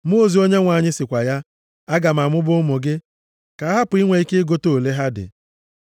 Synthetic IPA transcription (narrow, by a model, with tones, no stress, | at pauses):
m˦o˦˨zi˨˦o˦ɲe˦ŋʷa˨ɲɪ˦sɪ˨kʷa˨ja˦ | a˦ɡa˨m̩˨a˨mʊ˦bʊ˦ʊ˦mo˨ɡɪ˦ | ka˨˦a˦ɦa˦pʊ˨i˦ŋʷe˨i˦ke˦ɡo˦to˨le˦ɦa˦dɪ̰˨